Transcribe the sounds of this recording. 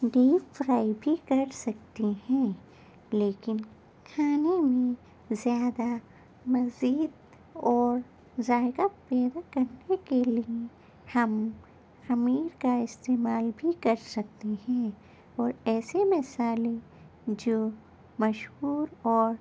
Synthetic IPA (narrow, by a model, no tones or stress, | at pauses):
ɖiːpfɾaːibʱikɐɾsɐk̚t̪eɦɛ̃ː | leːkɪn | kʰaːnemẽ | zjaːd̪a | mɐziːd̪̚ | ɔːɾ | zaːɪɡapɛːd̪akɐɾnekelie | hɐm | xɐmiːɾkaɪst̪eːmaːlbʱikɐɾsɐk̚t̪eɦɛ̃ː | ɔːɾɛːsemɪsaːle | d͡ʒoː | mɐʃɦuːɾɔːɾ